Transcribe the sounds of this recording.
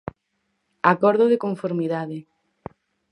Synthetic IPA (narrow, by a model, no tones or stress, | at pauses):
akɔɾðoðekoɱfoɾmiðaðɪ